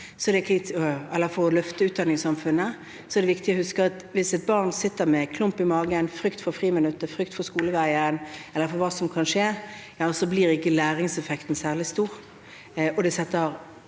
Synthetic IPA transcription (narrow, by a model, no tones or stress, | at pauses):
sɔɛd̪ɛkʰɪt̪ɛlːəfɔʁɔlœft̪əʉːt̪d̪ɑnɪŋsɑmfʉnːə | sɔɛd̪ɛʋɪkt̪ɪɔhʉskəɑt̪ʋɪsɛt̪̚bɑʁnsɪt̪ːəɾmɛkʰlʊmpɪmɑːɡənfɾʏkt̪fɔɾfʁiːmɪnʉt̪ːəfʁʏkt̪fɔskuːləʋæɪənɛlːəɾfɔɾʋɑːsɔmkʰɑnʂeːjɑːsɔbliːʁɪkːəlæːɾɪŋsɛfɛkt̪n̩sæːʁlɪst̪uːʁ | ɔd̪ɛsɛt̪ːəɾ